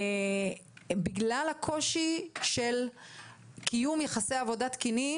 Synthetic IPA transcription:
biɡlalhakʰo̞ʃiʃel | kʰijumjeχasejavo̞dat̪kini

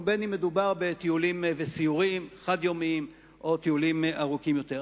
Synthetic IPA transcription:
benime̞dubaʁbet̪iulimvesiuʁimχad̪jomiim | ʔo̞t̪iulimʔaʁukimjo̞t̪e

